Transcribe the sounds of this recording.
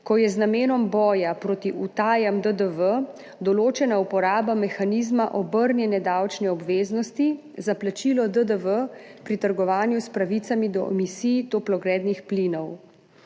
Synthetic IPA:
kɔjɛznameːnɔmbɔːjapɾoːt̪iut̪aːjamd̪əd̪əʋə | d̪ɔloːt͡ʃɛnaupɔɾaːbamɛxaniːzmaʔɔbəɾnjɛnɛd̪awt͡ʃnɛɔbʋeːznɔst̪i | zaplat͡ʃilɔd̪əd̪əʋəpɾit̪əɾɡɔʋaːnjuspɾaʋit̪samid̪ɔʔɛ̰misiːt̪oplɔɡɾɛːd̪nixplinɔw

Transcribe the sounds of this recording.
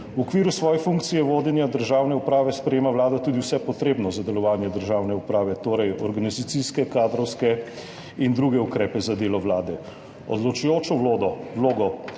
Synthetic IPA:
wɔkʋiːɾusʋɔːjɛfuŋk̚t̪sijɛʋoːd̪jɛnjad̪əɾʒaːwnɛupɾaːʋɛspɾɛjeːmawlaːd̪at̪uːd̪iwsɛpɔt̪ɾeːbnɔzad̪ɛlɔʋaːnjɛd̪əɾʒaːwnɛupɾaːʋɛt̪oːɾɛjɔɾɡanizat̪siskɛkaːd̪ɾɔwskɛ | ind̪ɾuːɡɛukɾɛːpɛzad̪eːlɔʋlaːd̪ɛ | ɔ̰d̪lɔt͡ʃujoːt͡ʃɔwlod̪ɔwloːɡɔ

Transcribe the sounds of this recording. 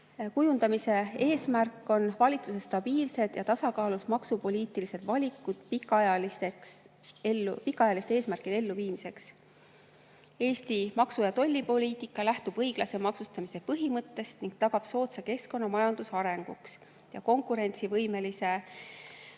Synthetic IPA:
kujund̪̥ɑmise̞e̞ːsmærkːˑo̞nvɑlʲit̪suse̞st̪ɑb̥iːlse̞d̪̥jɑt̪ɑsɑkɑːlusmɑksupo̞liːt̪ˑilise̞d̪̥vɑlʲikːˑud̪̥pikːˑɑɑjɑlist̪eks | elːupikːˑɑɑjɑlise̥eːsmærkid̪̥e̞lːuviːmise̞ks | e̞ːst̪imɑksujɑt̪o̞lʲːipo̞liːt̪ikˑːɑlæht̪ub̥ɤjɡ̥lɑse̞mɑksust̪ɑmise̞pɤɦimɤt̪ːe̞st̪niŋɡ̥̚t̪ɑɡ̥ɑb̥so̞ːt̪seke̞sko̞nːɑmɑjɑnd̪̥usɑɾe̞ŋɡ̥uks | jɑko̞ŋkuɾe̞nʲt̪sivɤjme̞lise̞

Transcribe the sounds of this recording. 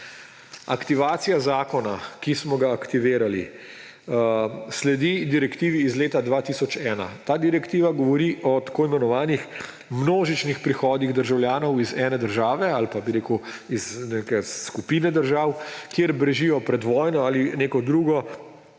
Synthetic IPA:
akt̪iʋaːt̪sijazaːkɔnakismɔɡaːkt̪iʋeːɾalḭ | slɛd̪id̪iɾɛkt̪iːʋiːzleːt̪ad̪ʋaːt̪isɔt͡ʃɛːna̰t̪aːd̪iɾɛkt̪iːʋaɡɔʋɔɾiʔɔt̪ḁkoːimɛnɔʋaːnix | mnoːʒit͡ʃnixpɾixɔːd̪iɣd̪əɾʒawljaːnɔwizɛːnɛd̪əɾʒaːʋɛalpabiɾeːku | iznekɛsːkupiːnɛd̪əɾʒaːwkjeɾbɾɛʒijɔpɾɛd̪ʋɔːjnɔaːlineːkɔd̪ɾuːɡɔ

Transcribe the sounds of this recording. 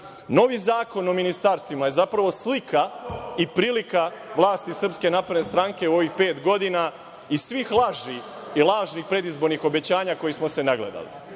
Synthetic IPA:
no̞ʋiːzaːko̞nominist̪aɾst̪ʋimaje̞zapɾaʋo̞slikaipɾiːlikaʋlˠaːst̪isr̩pske̞napɾed̪nest̪ɾaŋke̞uo̞ʋixpe̞ːt̪ɡo̞d̪ina | isʋiːxlˠaʒi | ilˠaːʒnixpɾe̞d̪izbo̞ɾnixo̞be̞t͡ɕaːɲako̞jismose̞naɡlḛd̪a̰lḭ

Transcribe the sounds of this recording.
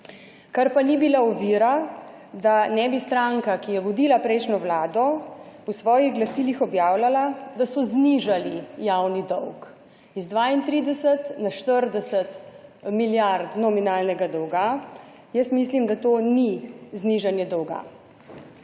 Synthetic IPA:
kaɾpanibilaɔʋiɾa | d̪anɛbist̪ɾaŋkakijɛʋɔd̪iːlapɾɛɪʃnɔʋlaːd̪ɔɔsʋɔːjiɣɡlasiːlixɔbjaːwlalad̪asɔzniʒalijawnid̪ɔwk | izd̪ʋaint̪ɾid̪ɛsət̪naʃt̪əɾd̪ɛsət̪miljaɾt̪nɔminaːlnɛɡad̪ɔwɡa | jəst̪mislimd̪at̪onizniʒanjɛd̪ɔwɡa̰

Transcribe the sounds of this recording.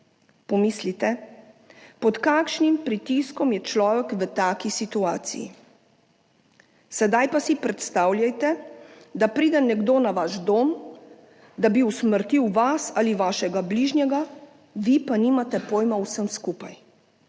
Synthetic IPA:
pɔmislit̪ɛ | pɔt̪kaːkʃnimpɾit̪iskɔmjɛt͡ʃlɔːʋɛkʋət̪aːkisit̪uaːt̪sḭjḭ | sɛd̪ajpasipɾɛt̪st̪aːwlʲjajt̪ɛd̪apɾiːd̪ɛnɛɡd̪oːnaʋaʒd̪oːm | d̪abiusməɾt̪iwʋasaliʋaːʃɛɡabliːʒnʲjɛɡa | ʋipaniːmat̪ɛpoːjmawsəmskupaj

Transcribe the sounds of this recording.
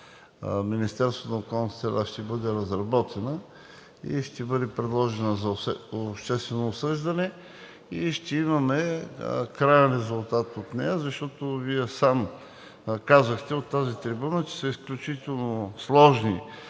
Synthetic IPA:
minist̪ɛɾsvət̪nokɔlˠnɐst̪ɾɛd̪aʃt̪ɛbɤd̪ɛɾɐzɾɐbɔt̪ʰɛnə | ḭʃt̪ɛbɤd̪ɛpɾɛd̪lˠɔʒɛnəzɐɛoʃt̪ɛst̪vɛnoːsɤʒd̪ɐnɛ | iʃt̪ɛimɐmɛ | kɾajnɛnɾɛzʊlˠt̪at̪ot̪nɛ̰jəzɐʃt̪ɔt̪ʊviɛsam | kazəxt̪ɛot̪ːazit̪ɾibunət͡ʃɛ̥səisklʲut͡ʃit̪ɛlˠnoslˠɔʒni

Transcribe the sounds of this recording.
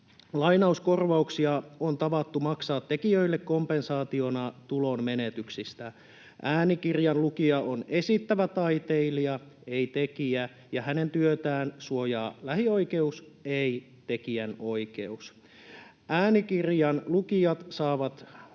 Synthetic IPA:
lɑjnɑusko̞rʋɑuksiɑont̪ɑʋɑt̪ːumɑksɑːt̪ːe̞kiøilːekːo̞mpensɑːt̪ionɑt̪ulo̞mmenet̪yksist̪æ | ʔæːnikirjɑnlukiɑʔone̞sit̪ːæʋæt̪ɑit̪eiliɑ | e̞it̪e̞kiæ | jɑhæne̞nt̪yøt̪æːnsuojɑːlæhio̞ike̞us | ei | t̪e̞kiæno̞ike̞̰us | ʔæːnikirjɑnlukiɑt̪sɑːʋɑt̪

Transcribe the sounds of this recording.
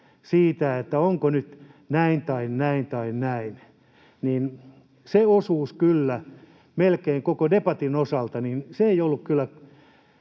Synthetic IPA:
siːt̪æet̪ːæoŋkonyt̪ | næint̪ɑinnæint̪ɑinnæin | nin | seosuːskylːæ | melkeiŋkokodepɑt̪inosɑlt̪ɑninseeiolːukkylːæ

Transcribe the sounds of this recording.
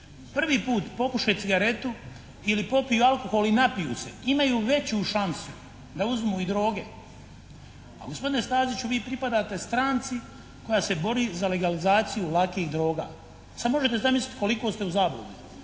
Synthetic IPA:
pr̩ʋiːpuːt̪po̞kuʃet̪iɡaɾe̞t̪u | ilipo̞pijualˠko̞xo̞linapijṵːse̞imajuːʋe̞t͡ɕuʃansu | d̪auzmuːid̪ɾo̞ːɡe̞ | a̰ɡo̞spo̞d̪ine̞st̪aːzit͡ɕuʋiːpɾipad̪aːt̪e̞st̪ɾaːnt̪si | ko̞jaːse̞bo̞ɾiːzale̞ɡalizaːt̪sijulˠakiːɣd̪ɾo̞ːɡa̰ː | sad̪mo̞ʒe̞t̪e̞zamislit̪ko̞liko̞ːst̪e̞uzaːbo̰u

